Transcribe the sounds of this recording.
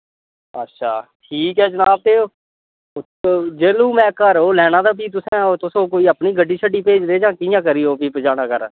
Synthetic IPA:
ətːʃʰaːʈʰiːkɦɛːd͡ʒənaːb̚t̪eː | d͡ʒeːlũːmɛ̃ːkəɾɦoːlɛːnãːd̪aːpiːt̪ʊsɛ̃ːot̪ʊsõːkoːiːəpniːɡəɖːiːʃʰəɖiːpeːd͡ʒd̪eːd͡ʒãːkɪjãːkəɾiːoːpiːpd͡ʒaːnaːkəɾ

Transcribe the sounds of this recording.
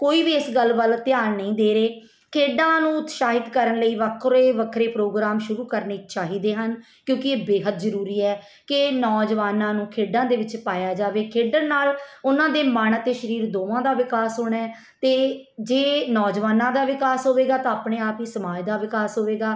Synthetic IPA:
koːiːʋiːɪsɡəlːʋəlt̪ɪjaːnnəĩːd̪eːɾeː | kʰeːɖãːnũːʊt̪ʃaːɦɪt̪kəɾənləiːʋəkʰɾeːʋəkʰɾeːpɾoːɡɾaːmʃʊɾuːkəɾneːt͡ʃaːɦiːd̪eːɦən | kjõːkɪeːbeːɦət̪zəɾuːɾiːɛː | kɪnɔːd͡ʒʋaːnãːnũːkʰeːɖãːd̪eːʋɪt͡ʃpaːjaːd͡ʒaːʋeːkʰeːɖənnaːlʊnãːd̪eːmaːɳət̪eːʃəɾiːɾd̪oːʋãːd̪aːʋɪkaːsɦoːɳɛː | t̪eːd͡ʒeːnɔːd͡ʒʋaːnãːd̪aːʋɪkaːsɦoːʋeːɡaːt̪ãːaːpɳeːaːpiːsəmaːd͡ʒd̪aːʋɪkaːsɦoːʋeːɡaː

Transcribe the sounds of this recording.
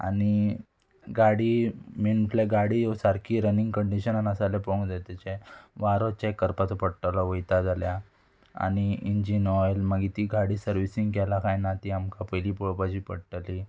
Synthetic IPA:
a̰ni | ɡaɽiːminuʈ̪laɡaɽijesaɾkʰiːɾənĩŋɡkəɳɖiɕənanasalepɔ̃ŋɡd͡zat̪at͡ɕaʋaɾɔt͡ɕakːəɾpat̪upəɽʈalɔʋəjt̪ad͡zalja | a̰ɽ̃iiɲd͡ʑinɔjlməɡit̪iɡaɽiːsəɾʋisiŋɡkɛlakʰajnat̪iamkʰapəjliːpɔɭpad͡ʑiːpəɽʈəli

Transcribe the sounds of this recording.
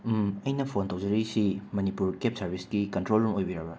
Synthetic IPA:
mɐjnɐpʰontɐwd͡ʒɐɾisimɐnipuɾkep̚sɐɾbʱisɡikɐntɾolumojbiɾɐbɐ

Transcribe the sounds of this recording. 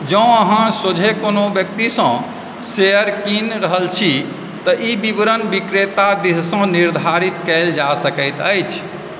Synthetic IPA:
d͡ʒə̃əɦãsod͡ʒʱekonobjəkt̪isə̃ | seəɾkinɾəɦəlt͡ʃʰi | t̪əʔibibɾənbikɾet̪ad̪issə̃niɾd̪ʱaɾit̪kɛld͡ʒasəkəjt̪əjt͡ʃʰ

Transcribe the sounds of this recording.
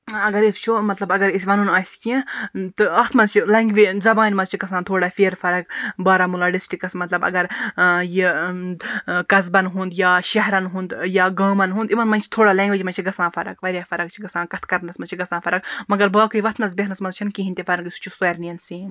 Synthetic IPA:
ɐɡɐɾist͡ʃʰumɐt̪lɐbɐɡɐɾisʲʋɐnunaːsʲkʲĩt̪ɨɐt̪ʰmɐnzt͡ʃʰilɐŋɡʋizɐbaːnʲmɐzt͡ʃʰiɡɐsãːnt̪ʰoːɽaːfʲeːɾfɐɾɐkbaːɾamulaːɖisʈikɐsmɐt̪lɐbɐ̰ɡɐɾji | kɐzbɐnɦũnd̪jaːʃɐɦɾɐnɦũnd̪jaːɡaːmɐnɦũnd̪iʋɐnmɐnʲt͡ʃʰi̥t̪ʰoːɽaːlɐ̃ːŋɡʋed͡ʒmɐnʲt͡ʃʰiɡɐsãːfʰɐɾɐ̰kʋɐɾʲjaːfɐɾɐk̚t͡ʃʰiɡɐsãːkɐt̪ʰkɐɾnɐsmɐzt͡ʃʰiɡɐsãːfʰɐɾɐkmɐɡɐɾbaːkʰɨiʋɐt̪ʰnɐzbeɦnɐsmɐnzt͡ʃʰinkiɦinʲt̪efɐɾɐkist͡ʃʰusoɐɾniɐnsiːn

